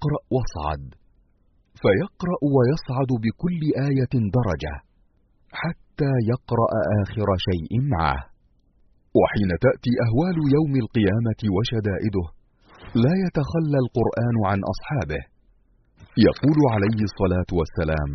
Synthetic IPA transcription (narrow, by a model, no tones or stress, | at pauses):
qɾˤɑʔwɑsˤʕɑ̰d̪ | fajɑqɾˤɑʔwajɑsˤʕɑd̪bɪkʊlːɪʔaːjad̪ɑɾˤɑd͡ʒa̰ | ħat̪ːaːjɑqɾˤɑ̰ʔaʔaːxɪɾaʃajʔɪmaʕa̰h | waħiːnat̪aʔt̪iːʔaɦwaːlʊjawmalqɨjaːmat̪ɪwaʃad̪aːʔɪd̪ʊh | laːjat̪axalːalqʊɾʔaːnʊʕanʔɑ̰sˤħɑːbɪh | jɑ̰quːlʊʕalajhsˤːɑlaːt̪ʊwasːala̰ːm